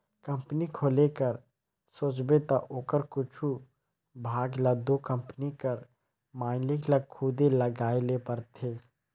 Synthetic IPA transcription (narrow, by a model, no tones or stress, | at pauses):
kɐ̃mpnikʰoːlekəɾ | soːt͡ʃbet̪aʔoːkəɾkʊt͡ʃʰu | bʱaːɡlad̪oːkə̃mpnikəɾ | maːɪnlɪklakʰuːd̪elɐɡaːelepɐɾt̪ʰeː